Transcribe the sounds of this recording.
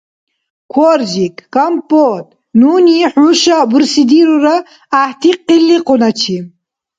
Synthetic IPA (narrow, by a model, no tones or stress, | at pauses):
kʰɔɾʒikʰːampʼːɔt̪ʼ | nuːniħuʃabuɾsid̪iɾuɾaː | ht̪ʰiqːilːiqʼɔnat͡ʃʰi